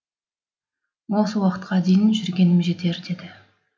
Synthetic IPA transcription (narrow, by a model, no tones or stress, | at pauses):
wo̞səwɑqət̪̚qʰɑd̪e̞jɪnʒʏɾɡʲe̞nɪmʒe̞t̪e̞ɾd̪e̞d̪ɪ